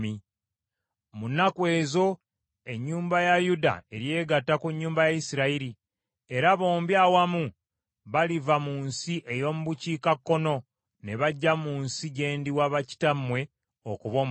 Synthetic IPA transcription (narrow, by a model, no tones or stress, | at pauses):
i | munːakwe̞ːzo̞ | e̞ɲːuːmbajajuda̰e̞ɾje̞ːɡatːakuɲːuːmbajajisiɾaiɾi | e̞ɾaβo̞ːmbjaːwamu | βalivamuːnsiʔe̞jo̞ːmuβuciːkakːo̞no̞ | ne̞βaɟːamuːnsiɟe̞ːndiwaβaci̥tamwe̞ | okuβom